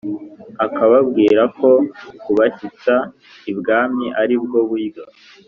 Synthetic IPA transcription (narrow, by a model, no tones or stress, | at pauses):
akaβabɡiːɾako̞kuβaçit͡sa | ibɡaːmiʔaɾib̚ɡo̞βuiɡa